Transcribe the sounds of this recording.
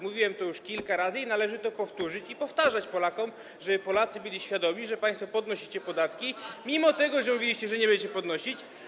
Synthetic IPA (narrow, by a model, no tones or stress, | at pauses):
muvʲiwɛmt̪ɔjuʂkʲilkaɾazɘinalɛʐɘt̪ɔpɔft̪uʐɘt͡ɕipɔft̪aʐat͡ɕpɔlakɔm | ʐɛpɔlat̪sɘbɘlʲiɕfʲjad̪ɔmʲiʐɛpãj̃st̪fɔpɔd̪nɔɕit͡ɕɛpɔd̪at̪kʲimʲimɔt̪ɛɡɔʐɛmuvʲilʲiɕt͡ɕɛʐɛɲɛbɛɲʲɛt͡ɕɛpɔd̪nɔɕit͡ɕ